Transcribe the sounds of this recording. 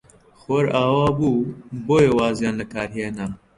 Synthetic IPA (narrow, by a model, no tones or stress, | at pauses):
xoɾaːwaːbuːboːjewaːzjaːnlɐkaːɾɦeːna